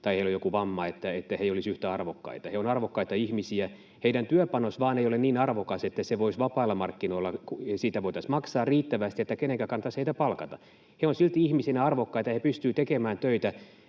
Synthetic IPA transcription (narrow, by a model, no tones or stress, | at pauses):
t̪ɑiheilojokuʋɑmːɑet̪ːæet̪ːæheiolisyht̪æɑrʋokːɑ̰it̪ɑheonɑrʋokːɑit̪ɑihmisiæ | heidɾænt̪yøpɑnosʋɑːneijoleniːnɑrʋokɑset̪ːæseʋoisʋɑpɑːlːɑmɑrkːinoilːɑkusiːt̪æʋoit̪ɑsmɑksɑːrriːt̪ːæʋæst̪iet̪ːækeneŋkækɑnːɑt̪ɑsheit̪æpɑlkɑt̪ɑ | heonsilt̪iihmisenæɑrʋokːɑit̪ɑhepyst̪yːt̪ekemæːnt̪øit̪æ